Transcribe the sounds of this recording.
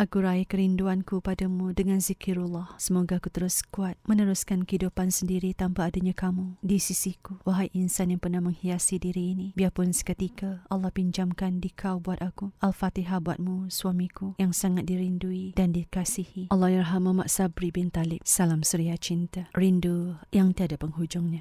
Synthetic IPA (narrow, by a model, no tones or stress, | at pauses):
ʔakuɾaikəɾinduankupadamudəŋãnzikiɾulːɑhsəmoɡaːkut̪əɾʊskuat̪̚mənəɾʊskankəidupansəndiɾit̪ampaːdaɲakamudisisikuwaɦajʔinsanjaŋpərnahmə̃ŋhiasidiɾiːnibiapʊnsə̥kət̪ikaɑlːɑhpiɲd͡ʒamkandikʰawbuat̪̚akuʔalfat̪iɦabua̰t̪̚musuamĩkujaŋsaŋat̪̚diɾinduidandikasihiʔɑlːɑhjɪrɦamamaʔsabɾibɪnt̪alɪp̚salamsəɾiat͡ʃint̪arindujaŋt̪iadapəŋɦud͡ʒʊŋɲã